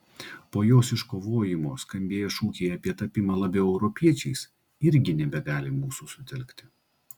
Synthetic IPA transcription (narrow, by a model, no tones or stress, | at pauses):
poːjoːsɪʃkoːʋoːjɪmoːskɐmʲbʲeːjɛʃuːkʲeɪɐpʲiɛt̪ɐpʲɪmɐlˠɐbʲɛʊɛʊɾɔpʲiɛt͡ʃʲɛɪs | ɪɾʲɡʲɪnʲɛbʲɛɡɑːlʲɪmuːsuːsʊt̪ʲɛlʲkt̪ʲɪ̥